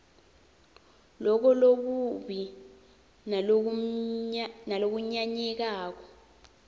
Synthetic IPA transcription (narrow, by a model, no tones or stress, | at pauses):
lɔk̬ɔlok̬uɓi | nalok̬uɲaɲɛk̬aːk̬ɔ̥